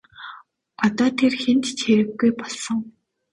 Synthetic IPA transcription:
ɔt̪ɔːt̪ʰerxent̪t͡ɕʰxeɾɘ̆kɡujpɔɮsɞ̆ŋ

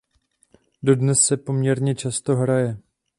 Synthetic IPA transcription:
do̞dnɛsːɛpo̞mɲɛɾɲɛt͡ʃast̪o̞ɦɾajɛ

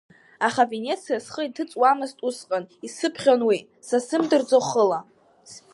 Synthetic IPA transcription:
aχave̞nʲe̞t͡sʰijasχəitʰɨt͡sʼwamɨztʼusqʼanisɨpʰχʲonwi | sasɨmdɨrd͡zoχəla

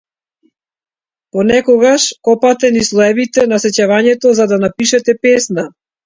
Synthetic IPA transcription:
pɔnɛkɔɡaʃkɔpat̪ɛnislˠɔɛvit̪ɛnasɛcavaɲɛt̪ɔzad̪anapiʃɛt̪ɛpɛsna

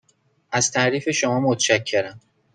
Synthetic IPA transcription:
ʔæzt̪ʰæʔɾiːfe̞ʃomɒːmot̪ʰeʃæcʰːe̞ɾæm

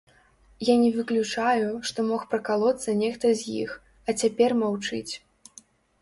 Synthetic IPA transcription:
janʲɛvɨklʲut͡ʂajuʂt̪ɔmɔxpɾɐkalˠɔt̪sɐnʲɛxt̪ɐzʲjḭx | ɐt͡sʲapʲɛrmawt͡ʂɨt͡sʲ

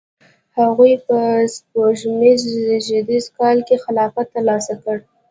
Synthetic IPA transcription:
haɣujpəspoʒmizʒɪd̪izkɑlkexɪlɑfat̪ːəɾlɑsakəɽ

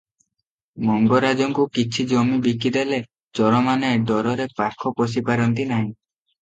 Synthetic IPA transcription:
mɔŋɡɔɾad͡ʒɔŋkukit͡ʃʰid͡ʒɔmibikid̪ele | d͡ʒɔɾɔmaneɖɔɾɔɾepakʰɔpɔs̬ipaɾɔnt̪inaɦĩ

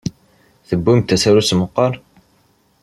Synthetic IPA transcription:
θəbːimt̪ːæsæɾusməqːɑɾˤ

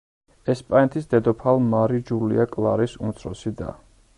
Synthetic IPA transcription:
ɛspʼanɛt̪ʰisd̪ɛd̪ɔpʰalˠmaɾid͡ʒulḭakʼlˠaɾisumt̪sʰɾɔ̰sid̪a̰

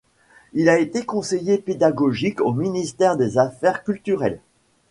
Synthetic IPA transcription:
ilaet̪ekɔ̃sejeped̪aɡɔʒikominist̪ɛʁd̪ezafɛʁkʲylt̪yʁɛl

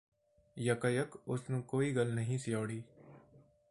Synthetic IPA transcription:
jɐkəjəkʊsnũːkoːiɡɐlnɐɦĩsɪjaːɽiː

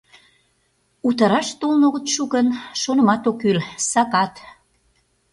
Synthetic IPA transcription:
ut̪ɑɾɑʃt̪olnoɣət̪ʃukənʃonə̆mɑt̪okylsɑkɑt̪

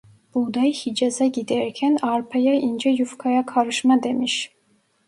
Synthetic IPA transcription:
b̥ud̪ajhid͡ʒazaɟid̪æɾcʰænaɾpʰajaind͡ʒɛjufkʰajakʰaɾɯʃmad̪emiʃ

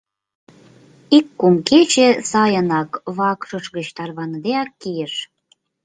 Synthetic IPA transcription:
ikːomket͡ɕesɑjənɑkβɑkʃəʃɣət͡ɕt̪ɑrβɑnəd̪eɑkːijəʃ

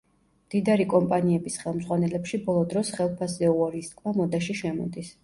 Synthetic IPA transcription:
md̪̥id̪aɾikʼɔmpʼaniɛbisχɛlˠmdzʁwanɛlɛpʃibɔlˠɔd̪ɾɔsχɛlˠpʰaszɛuɔɾist̪̚kʼmamɔd̪aʃiʃɛmɔ̰d̪is

